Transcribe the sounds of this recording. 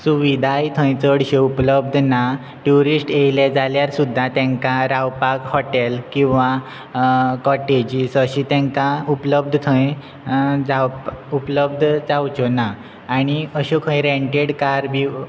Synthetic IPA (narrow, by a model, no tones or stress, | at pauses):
suʋid̪ʱajt̪ʰə̃jt͡səɽɕeupləb̚d̪ʱna | ʈuɾisʈejlɛd͡zaljaɾsud̪ʱːat̪ɛ̃ŋkaɾawpakhɔʈɛlkĩw̃ʋa | kɔʈed͡ʑisəɕĩt̪ɛ̃ŋkãupləb̚d̪ʱət̪ʰə̃j | d͡zawpupləb̚d̪ʱd͡zawt͡ɕonaː | ɽ̃iəɕokʰə̃jɾẽɳʈeɽkaɾbʱi